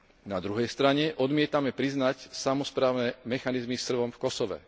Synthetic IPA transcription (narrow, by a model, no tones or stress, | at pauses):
nad̪ɾuɦɛjst̪ɾaɲɛʔɔd̪mɪɛt̪amɛpɾiznacsamɔspɾaːʊnɛmɛxanizmisr̩ʋɔmfkɔsɔʋɛ̰